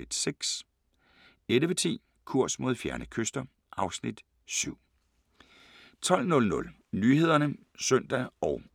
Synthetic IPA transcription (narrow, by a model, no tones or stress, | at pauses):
id̥seɡ̥s | edəʋet͡sʰḭː | kʰuɐ̰smo̝ð̞ˠfjæɐnəkʰøsd̥ɐ | ʔɑ̈ʊsnid̥ | syʊ̰ | t͡sʰɒ̽l̰nɔ̽lnɔ̽l | nyːɦe̝ð̞̰ˠɐnə | sœn̰d̥æɒʊ